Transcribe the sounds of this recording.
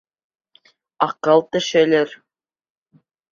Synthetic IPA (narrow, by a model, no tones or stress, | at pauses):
ɑqːɤlˠt̪ɘ̆ʃɘ̆lʲɘ̆ɾ